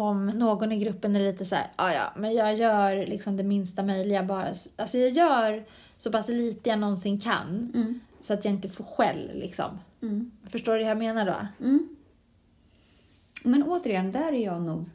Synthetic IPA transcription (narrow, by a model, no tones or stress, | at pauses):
ɔmnoːɡɔnɪɡɾɵpːənɛɭiːt̪əsæ̰ːɾɑːjɑ̰ːmɛnjɑːɡjœːɾlɪksɔmd̪ɛmɪnst̪amœjlɪɡabɑːɾa̰salsɔjɑːɡjœːɾ | sɔpʰasliːt̪əjanɔnsɪŋkʰa̰nsɔat̪jaːɪnt̪əfoːɧɛ̰lːlɪ̰ksɔ̰m | fœʂʈoːɾɛjameːnaɖo̰ | mɛnoːt̪əɾɪjɛnd̪æɾæɾjɑːɡnuːɡ